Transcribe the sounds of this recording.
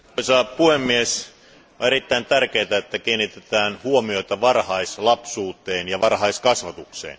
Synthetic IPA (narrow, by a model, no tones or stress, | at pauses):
isɑːppuhemːies | oeɾit̪ːæint̪ærkeːt̪æet̪ːækiːnːit̪et̪æːnhuomioit̪ɑʋɑrhɑislɑpsuːt̪ˑeːnjɑʋɑrhɑiskɑsʋɑt̪uksḛːn